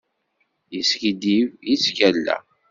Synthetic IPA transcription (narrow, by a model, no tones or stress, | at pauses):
jəskid̪ivjit͡sːkælːæ̰